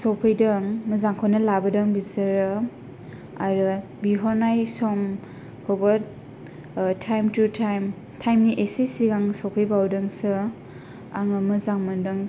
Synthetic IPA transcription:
sɔpʰɯjdɐŋmɐzaŋkʰɔnɐlabɐdɐŋbizɐɾɯ | aɾɯ | biɦɔɾnajsɔm | kʰobɐ | tʰajmtutʰajm | tʰajmniʔesesiɡaŋsɔpʰɯjbawdɯŋsɯ | a̰ŋɐmɯzaŋmɐndɯŋ

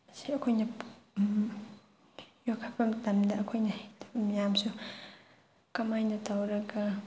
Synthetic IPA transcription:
ɐsiɐkʰojnɐ | jokʰakɐmtɐmdɐːkʰojnɐhajdɐbɐmijamsu | kɐmajnɐtʰawɾɐɡɐ

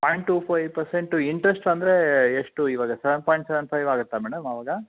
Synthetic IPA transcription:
paːjɳʈːuːpʰɐjʋpɐɾseɳʈuiɳʈɾesʈɐnd̪ɐɾeeʂʈuiʋaːɡɐsɛʋɐnpaːjiɳʈsɛʋɐnpʰɐjʋaːɡut̪ːamɛːɽɐmɐʋaːɡɐ

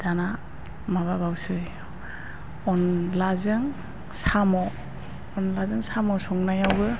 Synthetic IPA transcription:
d̥ana | maβabawsɯj | ɔnlazɯŋ | samɔ | ɔnlazɯŋsamɔsɔŋnajawɡɯ

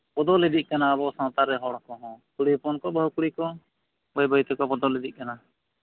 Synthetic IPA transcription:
pɔd̪ɔlɛd̪iʔ̚kanaːbɔsãwt̪aɾɛɦɔɽkɔɦɔ̃kuɽipɔnkɔbəɦukuɽikɔ | bəjbʱəjt̪ɛkɔpɔd̪ɔlɛd̪iʔ̚ˀkana

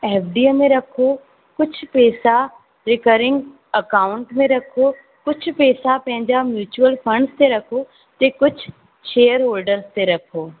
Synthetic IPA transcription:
eːfɖiːəmẽɾɐkʰo | kʊd͡ʑʱʊpɛːsa | ɾɪkəɾɪ̃ŋɡ | ɐkaːʊ̃ɳʈmẽɾɐkʰo | kʊd͡ʑʱʊ̆pɛːsapɐ̃ɦɪ̃ɲd͡ʑamjuːt͡ɕuəlfɐ̃ɳɖst̪eɾɐkʰo | t̪ekʊd͡ʑʱʊ | ʃeːəɾɦoːlɖəɾzt̪eɾɐkʰoː

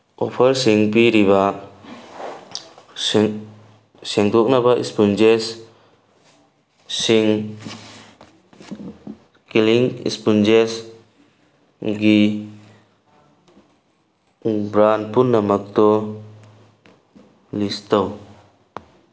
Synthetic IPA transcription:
ɔpʰəɾsiŋpiɾiβa | sɛŋd̪ɔk̚nabaʔḭspund͡ʒes | iŋ | kiliŋḭspund͡ʒes | ɡi | bɾan̚punːamak̚t̪ɔ | list̪aw

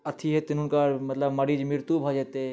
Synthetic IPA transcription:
ɐt̪ʰiɦet̪ɪnunkamɐt̪ləbmɐɾiːd͡ʒmɪɾt̪ubʱɐd͡ʒet̪e

